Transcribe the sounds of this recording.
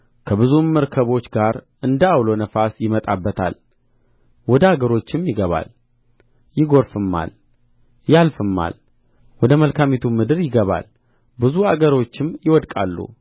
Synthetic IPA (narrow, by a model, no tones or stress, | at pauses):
kʰəβɨzumːəɾkʰəβo̞t͡ʃːɡaɾʔɨnd̪əawlo̞nəfasjɪmət̪ʼabːət̪ʰa̰l | wɔd̪əaɡəɾo̞t͡ʃːɪmjɪɡəβa̰l | jɪɡo̞ɾfɨmːa̰l | jalfɨmːa̰l | wɔd̪əməlkʰamit̪ʰumɨd̪ɨɾjɪɡəβa̰l | bɨzuaɡəɾo̞t͡ʃːɪmjɪwɔd̪kʼalːṵ